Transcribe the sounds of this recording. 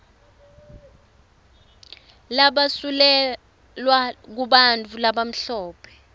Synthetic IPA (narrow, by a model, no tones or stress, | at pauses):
laɓasulɛ | lwak̬uɓant͡fʰulaɓam̩ɬɔːpʰɛ̥